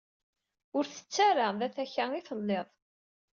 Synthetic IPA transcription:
ʊɾθə̥t͡sːaɾaðæθæçæiθəlːeðˤ

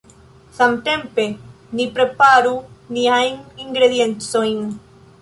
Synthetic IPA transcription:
samt̪empe | nipɾepaɾuniajŋiŋɡɾeðjẽnt̪sojn

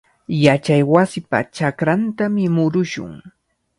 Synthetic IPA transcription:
jat͡ʃajwasɪpa̰t͡ʃakɾant̪amɪmʊɾʊʃʊ̰ŋ

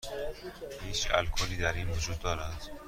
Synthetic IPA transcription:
hiːt͡ʃæ̰lkʰoliːd̪æɾiːnvod͡ʒuːd̪̚ːɒːɾæd̪̥

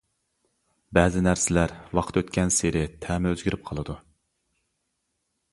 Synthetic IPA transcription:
bɛːzɪnæɾsɪlæɾwɑqʰt̪øt̪kʲɛnsɪɾɪt̪ʰɛːmɛøzɡʲyɾyp̚qʰɑlˠɨd̪u

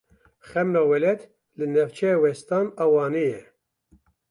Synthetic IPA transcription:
χɛmnɑːwɛlɛt̪ | lɨnɛvt͡ʃʰɛwɛst̪ɑːnɑwɑːnejɛ

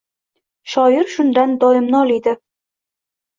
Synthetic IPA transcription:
ʃɒjɪɾʃʊnd̪and̪ɒɪmnɒlˠɪjd̪ɪ

